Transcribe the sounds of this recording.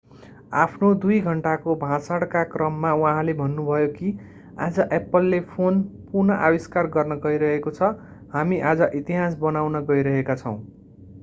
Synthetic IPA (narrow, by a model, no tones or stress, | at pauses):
a̰pʰnod̪ujɡʱʌɳʈakobʱãsaɽkakrʌmːawãɦãlebʱʌnːubʱʌjoki | a̰d͡zʌʔepʌlːepʰonpurnʌʔawiskarɡʌrnʌɡʌiɾʌɦekot͡sʰʌ | hamiʔad͡zʌʔit̪iɦas̬bʌnawnʌɡʌiɾʌɦekat͡sʰʌ̰w̃